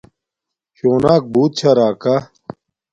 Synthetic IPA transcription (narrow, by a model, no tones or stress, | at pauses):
ɕoːnaːk̚buːt̪̚t͡ɕʰaɾaːka